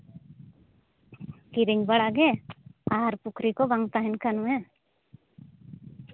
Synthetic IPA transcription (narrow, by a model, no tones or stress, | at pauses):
kiɾiŋbaɽaɡɛaɦaɾpukʰɾikɔbaŋt̪aɦɛnkanũɛ